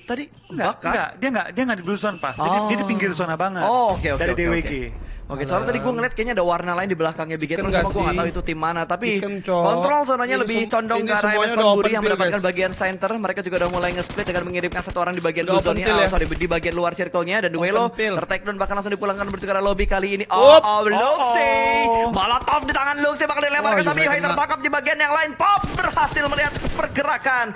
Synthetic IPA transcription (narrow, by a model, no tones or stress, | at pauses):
t̪adi | ŋɡbakaandiaŋɡaʔdiaŋɡadibluzɔnpa̰sd͡ʒaiiad̪ipiŋɡɪrsonabaŋəookeokdaɾeiodewekiokesɾaŋt̪adiɡuaŋəliat̪̚kajaɲaːdawarnalaɪndibəlakaŋɲabiɡɛt̪kanumuaɡuaŋat̪awit̪ut̪imːanat̪apikɔnt̪ɾɔlsɔnaɲaləbɪht͡ʃɔndɔŋɡaɾamɛskɔɡuɾijaŋməndapat̪̚kanbaɡiansɛnt̪ərməɾekad͡ʒuɡaudamulajŋəsplɪt̪̚daŋanməŋiɾɪmkansat̪uoɾaŋdibaɡianuzɔnɲasadidibaɡianluarsirkoɲadanduɡajloərt̪ak̚dɔnbahkanlaŋsʊŋdipulaŋkanbərt͡ʃəɡəɾalobikaliːniʔɔloksebalat̪ɔfdit̪aŋanlʊk̚sebakandilemakant̪apijuɦajt̪ərt̪akap̚dibaɡianjaŋlaɪnpɔp̚bərhasɪlməliɦat̪pərɡəɾakan